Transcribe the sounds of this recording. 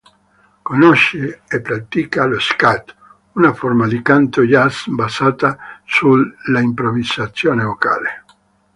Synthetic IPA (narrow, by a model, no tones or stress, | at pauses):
konoʃeepːɾat̪ikaloskat̪ | unaformad̪ikant̪ojasbazaːt̪asuaimpɾovizat̪sːjoːnevoka̰ːle